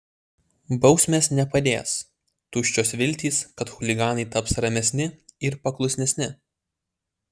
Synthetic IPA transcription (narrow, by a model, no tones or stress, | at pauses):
bɒʊsʲmʲeːsnʲɛpɐd̪ʲḛːs | t̪ʊʃʲt͡ʃʲoːsʋʲɪlʲt̪ʲiːskɐt̪xʊlʲɪɡɑːnɐɪt̪ɐpsɾɐmʲɛsʲnʲɪɪɾpɐklˠʊsʲnʲɛsʲnʲɪ